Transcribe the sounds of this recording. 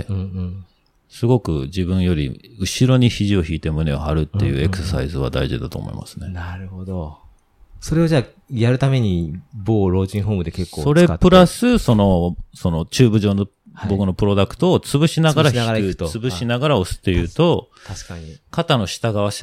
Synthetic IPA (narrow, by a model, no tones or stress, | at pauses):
sɨɡo̞kɯ̟̰d͡ʑibɯ̟̃ɰ̃jo̞ɾʲḭɯ̟ɕiɾo̞ɲ̟içiʑio̞çiːt̪e̞mɯ̟ne̞o̰haɾɯ̟t̪ːe̞̰jɯ̟̰ːe̞kɯ̟ssa̰izɨβ̞a̰d̪a̰iʑḭd̪at̪o̞̰ːmo̰ḭma̰sɨ̥ne̞naɾɯ̟hod̪o | so̞ɾe̞od͡ʑaː | jaɾɯ̟t̪ame̞ɲ̟iboːɾo̞ːʑĩɰ̃ɦoːmɯ̟d̪eke̞kːosːo̞ɾe̞pɯ̟ɾasɨso̞no̞so̞no̞t͡ɕɨːbɯ̟ʑo̞ːno̞ | hbo̞kɯ̟no̞pɯ̟ɾo̞d̪akɯ̥t̪o̞ːt͡sɨbɯ̟ɕinaɡaɾaçiɯ̥t̪t͡sɨbɯ̟ɕinaɡaɾaosɨ̥t̪ːe̞jɯ̟ːt̪o̞ | t̪aɕkaɲikat̪ano̞ɕi̥t̪aɡaβ̞aɕ